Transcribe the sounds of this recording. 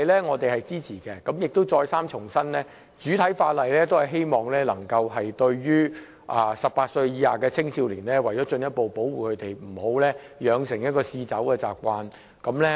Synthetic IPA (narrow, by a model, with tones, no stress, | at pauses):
jlɛː˥ŋɔː˨˧t̪e˨jhɐ˨jt͡siː˥t͡sʰiː˨˩kɛː˧kɐ˨˥mjɪ˨k̚t̪o˥wt͡sɔː˧jsaː˥mt͡ʃʰʊ˨˩ŋsɐ˥nlɛː˥ | t͡ʃyː˨˥t̪ʰɐ˨˥jfaː˧t̚lɐ˨jlɛː˥t̪o˥whɐ˨˩ɦe˥jmɔː˨ŋlɛː˥lɐ˨˩ŋkɐ˧wɦɐ˨jt̪ɵ˧ɥjyː˥ | ʔa˨˩sɐ˨p̚paː˧t̚sɵ˧ɥjiː˨˧haː˨˩kɛː˧t͡sʰɪ˥ŋsiː˧wliː˨˩nlɛː˥wɐ˨˩jɔː˨˥t͡ʃɵ˧njɐ˥t̚po˨wpo˨˥wuː˨kʰɵ˨˧t̪e˨jm̩˨˩ho˨˥wlɛː˥ | jœː˨˧ŋsɪ˨˩ŋjɐ˥t̚kɔː˧siː˧t͡sɐ̰˨˥wkɛː˧t͡sa̰ː˨p̚kʷaː˧n | kɐ˨˥mlɛ˥